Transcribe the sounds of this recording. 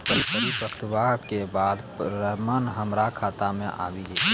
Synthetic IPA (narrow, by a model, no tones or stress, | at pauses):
pəɾipəɾipəkt̪ʋaːɦkebaːd̪ | ɾəmənɦəmɾakʰaːt̪amẽʔa̰ːʋiɡe